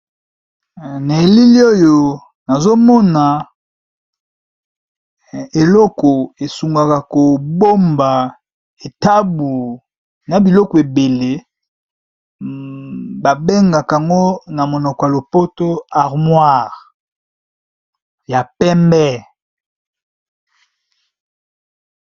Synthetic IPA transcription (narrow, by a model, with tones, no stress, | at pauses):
ne˨li˦li˦o˦jo˨ | na˨zo˦mɔ˦na˨ | e˨lɔ˦kɔ˨e˨su˨ŋɡa˨ka˨ko˨bo˦mba˨ | e˨ta˦bu˨ | na˨bi˨lɔ˦kɔ˨e˨be˨le˦ | ba˨be˦ŋɡa˨ka˨ŋɡo˦na˨mo˨nɔ˨kɔ˨ja˨lo˨po˦to˦a˨ʁmwa˦˨ʁ | ja˨pɛ˦mbɛ˦